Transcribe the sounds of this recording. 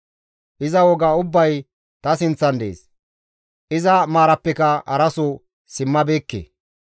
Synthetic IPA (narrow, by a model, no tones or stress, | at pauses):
ʔɪzɐwɔɡaːʊbːɐj | t̪ɐsɪnt͡sːɐnd̪ḛːs | ʔɪzɐmaːɾɐpːɛkɐɐɾɐsʊ | sɪmːɐbe̞ːkːḛ